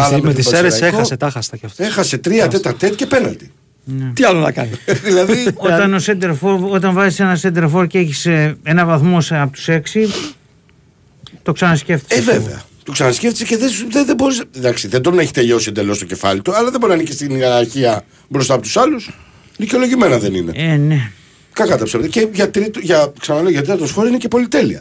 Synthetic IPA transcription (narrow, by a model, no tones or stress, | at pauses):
ɐmet̪iseɾessexɐset̪ɐxɐst̪ɐcɐfexɐse̞t̪ɾiɐt̪e̞t̪ɐɾt̪et̪̚cepe̞nɐ̰nd̪i | neiɐlonɐ̰kɐ̰niðilɐðiot̪ɐnosend̪eɾfo̞ɾo̞t̪ɐɱvɐzise̞nɐsend̪eɾfo̞ɾceçisee̞nɐvɐθmo̞sɐpot̪u̥se̞ksi | t̪o̞ksɐnɐsce̞ft̪i̥eveve̞̰ɐ̰ | t̪oksɐnɐsceft̪i̥seceðeðeðebo̞ɾisd̪ɐksiðed̪o̞neçit̪eʎosind̪elo̞st̪oce̞fɐ̰lit̪uɐlɐðebo̞ɾinɐnicist̪iniɐɾɐɾçiɐ | bɾost̪ɐpo̞t̪usɐlus | liceo̞lo̞ʝime̞nɐðe̞nine̞̰ene | kɐkɐt̪ɐpsept̪eceʝɐt̪ɾit̪oʝɐksɐnɐleoʝɐt̪ɾiɐt̪osfo̞ɾinecepo̞lit̪e̞liɐ̰